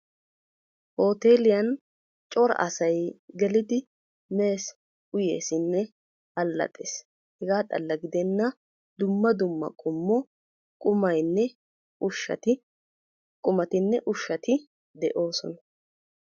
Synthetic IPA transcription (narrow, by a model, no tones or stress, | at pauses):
ʔoːt̪e̞ːlɪjɐn | t͡ʃʼɔɾɐ̰ʔɐsɐjɡɛlɪd̪ɪ | me̞ːs | ʊje̞ːsɪnːɛ | ɐlːɐ̰t̪ʼːeːs | hɛɡaːt̪ʼɐ̰lːɐɡɪd̪ɛnːɐ | d̪ʊmːɐd̪ʊmːɐ̰kʼʊmːɔ | kʼʊmɐjnːɛ | ʊʃːɐ̰t̪ɪ | kʼʊmɐt̪ɪnːɛʔʊʃːɐt̪ɪ | d̪ɛʔo̞ːsɔnɐ